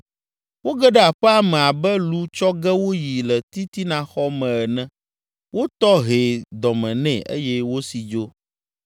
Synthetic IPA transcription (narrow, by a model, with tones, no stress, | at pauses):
wo˦ɡɛ˦ɖɛ˦a˨ɸɛ˦a˨mɛ̃˨a˨bɛ˦lu˦t͡ʃɔ˦ɡɛ˦wo˦ji˨lɛ˨t̪i˦t̪i˦nã˨xɔ˦mɛ̃˨ɛ˨nɛ̃˦ | wo˦t̪ɔ˦ɦe˨d̪ɔ˨mɛ̃˨nɛ̃˦˨ʔḛ˦jɛ˦wo˦si˨d͡ʒo˦